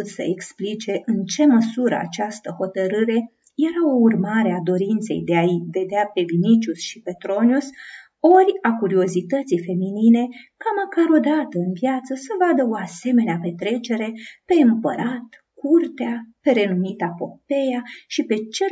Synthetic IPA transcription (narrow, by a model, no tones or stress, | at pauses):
t̪sə̰eksplit͡ʃe̞ʔɨnt͡ʃe̞məsuɾə̰a̰t͡ʃast̪əho̞t̪əɾɨɾe̞ | je̞ɾaourmaɾe̞ad̪o̞ɾint̪se̞̰jd̪eave̞d̪eape̞vinit͡ʃusʃipe̞t̪ɾo̞njus | o̞rʲakuɾio̞zit̪ət̪sijfe̞minine̞kaməkaɾo̞d̪at̪əɨnvjat̪səsəvad̪əo̞ase̞me̞neape̞t̪ɾe̞t͡ʃe̞ɾe̞pe̞ɨmpəɾat̪ | kurt̪eape̞ɾe̞numit̪apo̞pe̞jaʃipe̞t͡ʃe̞